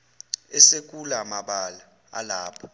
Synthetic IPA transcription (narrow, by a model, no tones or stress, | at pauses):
ɛsek̬ʼulamaɓala | a̰laːpʰɔ̥